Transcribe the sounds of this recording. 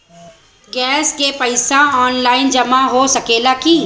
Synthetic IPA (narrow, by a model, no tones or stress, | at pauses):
ɡɛːskepɐɪsaɔːnlaːɪnd͡ʒɐmaɦosɐkeːlaki